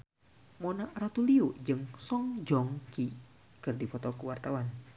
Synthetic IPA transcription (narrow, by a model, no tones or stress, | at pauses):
monarat̪uliud͡ʒɨŋsɔŋd͡ʒɔŋki | kɨrdipɔt̪ɔkəwart̪awan